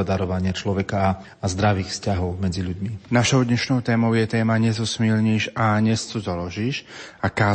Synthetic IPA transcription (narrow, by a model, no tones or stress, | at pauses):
ad̪aɾɔʋaɲɪat͡ʃlɔʋɛkaː | zd̪ɾaʋiːxfscaɦɔʊmɛd͡ziʎuɟminaʃɔʊd̪ɲɛʃnɔʊt̪ɛːmɔʊjɛt̪ɛːmaɲɛzɔsmilɲiːʃaɲɛst͡sɔzɔlɔʒiːʃakaː